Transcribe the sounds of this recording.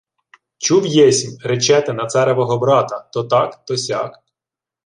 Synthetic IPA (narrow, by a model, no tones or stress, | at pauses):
t͡ʃuwjɛsʲimʲret͡ʃɛt̪ɪnɐt̪sɛɾɛʋɔɦɔbɾɑt̪ɐt̪ɔt̪ɑkt̪ɔsʲɑk